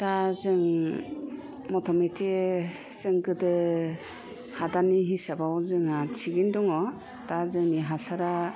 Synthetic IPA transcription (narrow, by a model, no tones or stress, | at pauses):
tazɯŋ | mɔtʰɔmetʰe | z̥ɯŋɡɯdɯ | hadaniɦisabawzɯŋat͡ʃʰiɡindɔŋɔ | tazɯŋniɦasaɾa